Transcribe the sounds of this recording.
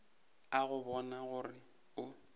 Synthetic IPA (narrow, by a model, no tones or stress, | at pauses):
aɣʊbɔnaɣʊrɪ | ʊ